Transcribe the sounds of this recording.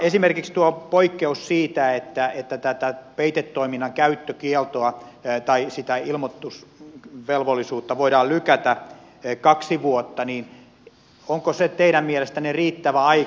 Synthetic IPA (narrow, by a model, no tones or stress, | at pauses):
esimerkikst̪uopoikːeussiːt̪æet̪ːæet̪ːæt̪æt̪æpeit̪et̪ːoiminːɑŋkæyt̪ːøkielt̪oɑt̪ɑisit̪æilmot̪ːusʋelʋolːˑisuːt̪ːɑʋoidɑːllykæt̪æ | kɑksiʋuot̪ːɑniːn | oŋkoset̪eiɾæmmielest̪æneriːt̪ːæʋæɑi